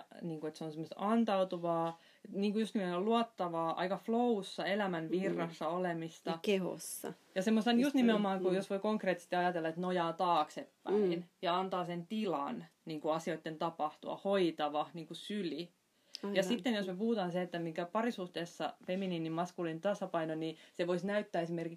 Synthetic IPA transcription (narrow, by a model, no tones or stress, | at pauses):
niːŋkuet̪seonsemost̪ɑnt̪ɑut̪uʋɑː | etniːŋkujust̪imolluɑt̪ːɑʋɑːʔɑ̰ikɑflousːɑelæmænʋirːɑsːɑolemist̪ɑkeho̰sːɑ̰ | jɑsemːost̪ɑnjust̪nimeomɑːŋkujosʋoikoŋkreːˑt̪ːˑi̥st̪iɑjɑt̪elːɑet̪nojɑːt̪ɑːksepːæinjɑɑnt̪ɑːsent̪ilɑ̰n | niːŋkuɑsioit̪ːent̪ɑpɑht̪ṵɑ̰hoit̪ɑʋɑniːŋkusyli | jɑsit̪ːenjosmepuhut̪ɑːnseet̪ːæmikæpɑrisuht̪eːˑsːɑ̰feminiːnːimmɑskulint̪ɑsɑpɑinoniseʋoisnæyt̪ːæːesimerkik